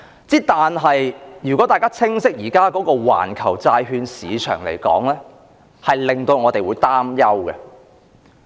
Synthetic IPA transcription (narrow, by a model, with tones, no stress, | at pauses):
t͡siː˥t̪aː˨nɦɐ˨jjyː˨kɔː˨˥t̪aː˨jkaː˥t͡sʰɪ˥ŋsɪ˥k̚jiː˨˩kaː˥kɔː˨˥kɔː˧wa̰ː˨˩nkʰɐ˨˩wt͡saː˧jɦyː˧nsiː˨˧t͡ʃʰœ̰ː˨˩ŋlḛ˨˩jkɔ̰ː˨˥ŋlɛː˥ | hɐ˨jlɪ˨ŋt̪o˧wŋɔː˨˧t̪e˨jwuː˨˧jt̪aː˥mjɐ˥wɡɛ˧